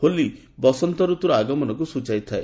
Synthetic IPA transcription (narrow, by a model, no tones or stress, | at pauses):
holi | bɔsɔnt̪ɔɾut̪ɾɔaɡɔmɔnɔk̬usud͡ʒajt̪ʰae